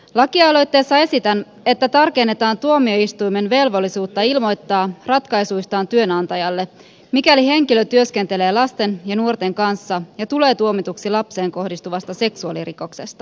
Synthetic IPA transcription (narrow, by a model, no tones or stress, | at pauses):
lɑkiɑlo̞jt̪ːe̞ːsːɑe̞sit̪æn | e̞t̪ːæt̪ɑrke̞nːe̞t̪ɑːnt̪uo̞mio̞ist̪ujmenʋe̞lʋo̞lːisuːt̪ːɑilmo̞jt̪ːɑːrɑt̪kɑjsujst̪ɑːnt̪yø̞nɑnt̪ɑjɑlːe̞ | mikælihe̞ŋkiløt̪yø̞skent̪ele̞ːlɑst̪e̞njɑnuort̪e̞ŋkɑnsːɑjɑt̪ule̞ːt̪uo̞mit̪uksilɑpse̞ːŋko̞hdist̪uʋɑst̪ɑse̞ksuɑliriko̞kse̞st̪ɑ